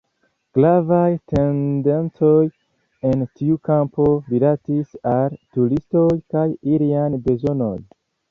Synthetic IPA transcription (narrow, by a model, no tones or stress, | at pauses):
ɡ̥lavajte̞nde̞nt͡so̞j | e̞ntʰiukampo̞lilatisaltulisto̞jkajiliajbe̞zo̞no̞̰j